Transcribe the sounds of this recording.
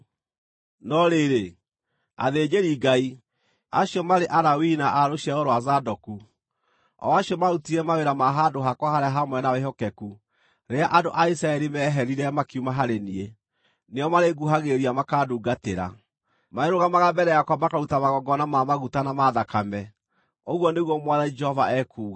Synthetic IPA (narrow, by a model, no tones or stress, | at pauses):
nɔɾeɾe | a̰ðed͡ʒeɾiɡai | aɕjɔmaɾeʔaɾawinaʔaɾoɕiɛoɾowazadɔku | ɔ̰aɕiɔmautiɾɛmaweɾamaɦadoɦakwahaɾeaɦamwɛnaweɦɔkɛku | ɾeaʔado̰ʔaisɾaɛɾimɛɦɛɾiɾɛmakiumaɦaɾenie | neɔmaɾeɡuɦaɣeɾiamakaːduːɡateɾa̰ | maeɾoɣamaɣabɛɾɛjakwamakaɾutamaɣɔɡɔnamamaɣutanamaðakamɛ | oɣwɔneɣwɔmwaðaid͡ʒɛhɔvaɛkʰuːɣa